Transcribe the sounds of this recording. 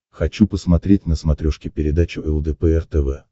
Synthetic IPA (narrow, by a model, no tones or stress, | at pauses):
xɐt͡ɕupəsmɐt̪ɾʲetʲnəsmɐt̪ɾʲoʂkʲɪpʲɪɾʲɪd̪at͡ɕɪvɛlˠd̪ɛpɛɛrt̪ɛvɛ